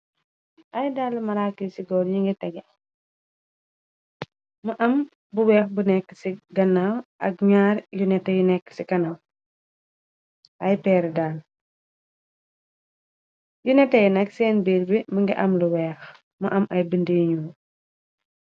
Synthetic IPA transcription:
ʔɐjdaːlːmɐɾakːisiɡɔːɾɲiŋɡɛtɐɡɛ | mɐʔɐm | buwɛːxbunɛkːə̥siɡɐnːawʔɐ̰k̚ɲaːɾjunɛtːɐjunɛkːə̥siɡɐnaw | ʔɐjpɛːɾdaːl | junɛtːɐjnɐksɛːnbiːɾbiməŋɡiʔɐmluwɛːx | mɐ̰ʔɐmʔɐjbəndejɲuː

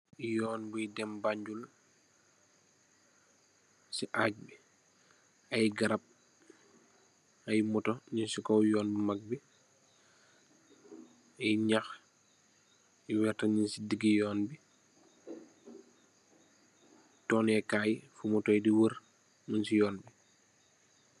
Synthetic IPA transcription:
jɔːnbijdɛmbaɲd͡ʒul | siʔaːc̚bi | ɐjɡɐɾap̚ | ɐjmɔtɔɲinsikɔwjɔːnbimak̚bi | ɐjɲax | iwɛrtaɲinsidiɡijɔːnbi | tɔːnɛkajfumɔtɔjdiwəɾ | mənsijɔːnbi

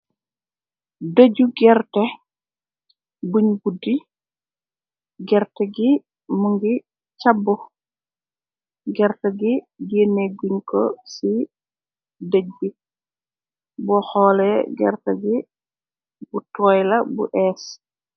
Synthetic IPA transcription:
dəɟuɡɛrtɛ | buɲbudi | ɡɛrtɛɡi | muŋɡi | t͡ʃabːu | ɡɛɾtɐɡi | deneɡuɲkɔ̰si | dəɟ̚bi | bɔxɔːlɛɡɛ̰rtɐɡi | butɔːjlɐbṵʔɛːs

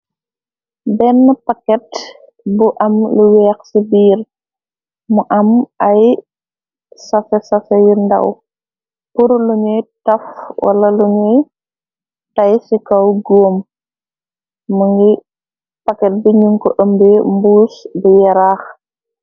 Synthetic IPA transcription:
bɛnːəpɐkɛt | buʔɐmluwɛːxsibiːr | muʔɐmɐj | sɐfɛsɐfɛjindɐ̰w | puɾluɲɛtɐfwʔɐ̰lɐluɲɛ | tɐjsikɐwɡoːm | uŋɡi | pɐkɛt̚biɲuŋkɔʔəmbembuːsbijɐɾaːx

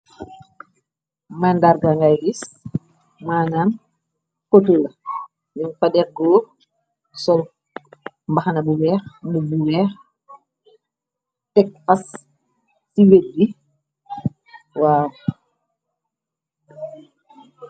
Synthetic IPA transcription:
mandaɾɡaŋɡajdis | maːnaːn | potulɐ | ninfadɛkɡɔː | sɔl | mbaxanɐbuwɛːxmubuwɛːx | tɛk̚fas | tiwet̚bi | waːw

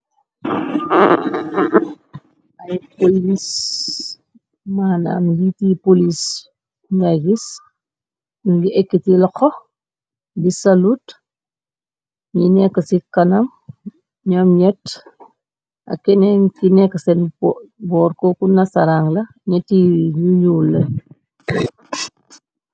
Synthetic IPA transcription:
ɐjpolis | mana̰mjitipolis | ŋɡaɡis | nuɡiʔɛkːitilɐkɔ | bisɐlut | ɲinɛkːɐsikɐnɐm | ɲɔmɲɛt | ʔa̰kɛnɛnkinɛkːɐsɛnbɔːɾkɔkunɐsɐɾaŋlɐ | ɲɛtːiɲuɲulːɐ

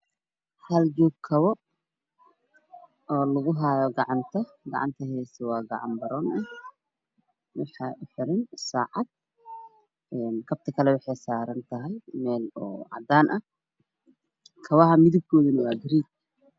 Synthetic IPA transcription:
hɐld͡ʒɔːɡ̚kʰɐβɔ | ɔːlɐɣʊɦaːjɔɡɑʕɑnt̪ʰɐ | ɡɑ̰ʕɑ̰nt̪ʰɐɦɛsɐwɑːɡɑʕɑ̰mbɐɾɔːnʔɐh | wɑħɑʔʊħɪɾɪnsaːʕɑd̪̥̚ | ɛːnkʰɐb̚t̪ʰɐkʰɐlɛwɑħɑjsaːɾɐnt̪ʰɐɦɐjmɛːlɔːʕɑ̰d̪aːnʔɐ | kʰɐβɐɦɐmɪðɪb̚kʰɔːðɐnɐwaːɡɪɾiːd̚

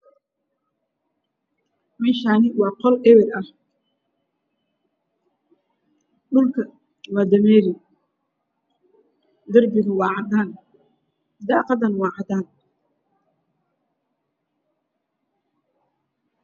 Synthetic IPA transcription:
mɛːʃaːnɪwɑːqɔlɛwɛɾɐh | ɗʊlkʰɐ | wɑːd̪ɐmɛːɾɪ | d̪ɐrbɪɣʊwɑːʕɑd̪aːn | d̪ɑːqɑd̪ɐnwɑːʕɑd̪aːn

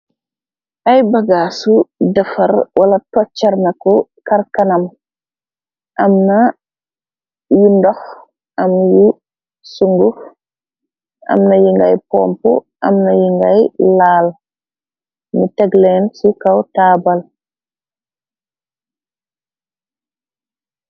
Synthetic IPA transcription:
ʔajbaɡaːsudɐfaɾwʔalatɔt͡ʃːaɾnakɔkaɾkanam | ʔamna | jundɔx | ʔamju | suŋɡuf | ʔa̰mnajuŋɡajpɔːmpɔ̰ | ʔa̰mnajiŋɡajlaːl | mitɛɡlɛnsukawtaːbal

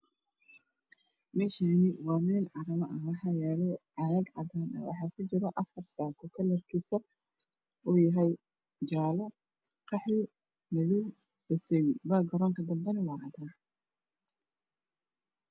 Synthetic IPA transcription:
mɛːʃaːnɪwɑːmɛlʕɑɾɐmɐʔɐwɑħɑːjɛːlɔʕɑðɐɡʕɑd̪aːnɐ̰wɑ̰ħɑːkʰʊt͡ʃɪɾɔʔɐfɐrsaːkʰʊkʰɐlɐrkʰiːsɐ | uːjɐɦɛj | d͡ʒaːlɔ | qɑħwɪ | mɐðuw | bɐsɛjɪbaːɡɐɾɔːŋkʰɐd̪ɐmbɛnɐwɑːʕɑd̪aːn

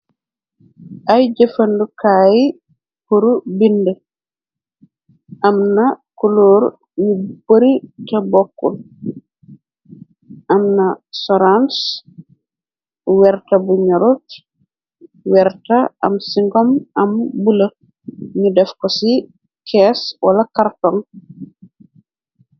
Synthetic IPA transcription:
ʔajd͡ʒefɐndukaːji | puɾubində | ʔamnakuloːɾ | ɲuboɾitabɔkːṵl | ʔamnasɔɾans | wɛɾtɐbuɲɔɾut̚ | wɛɾtɐɐ̰msiŋɡɔmɐmbulə | ɲudɛfkɔsi | kʰɛswɐlɐkartɔŋ

